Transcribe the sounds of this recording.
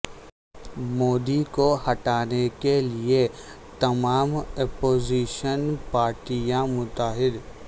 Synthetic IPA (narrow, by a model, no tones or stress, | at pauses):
moːd̪ikohɐʈaːnekelie | t̪ɐmaːmepoːziːʃənpaːɾʈijãmʊt̪aːɦɪd̪